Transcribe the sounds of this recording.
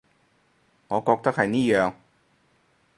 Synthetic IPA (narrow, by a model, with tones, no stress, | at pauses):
ŋɔː˨˧kɔː˧k̚t̪a˥k̚hɐ˨jniː˥˩jœː˨˩ŋ